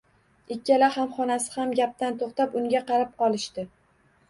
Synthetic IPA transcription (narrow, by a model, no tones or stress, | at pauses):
ɪkʲʰːalahamχɒnasɪ̥hamɡʲap̚t̪ant̪ʰoχt̪apʊŋɡʲaqɑɾap̚qɒlˠɪʃt̪ɪ